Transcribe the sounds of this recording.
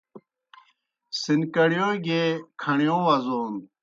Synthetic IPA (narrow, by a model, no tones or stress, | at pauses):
sinkɐɽjõɡekʰɐɳjõːʋɐzoːn